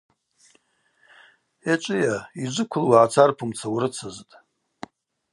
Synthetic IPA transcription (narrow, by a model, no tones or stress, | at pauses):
et͡ʃʷʼɪjaid͡ʒʷɨkʷʰʊlwaʕat͡sʰarpʰumt͡sʰawɾɨt͡sʰɨztʼ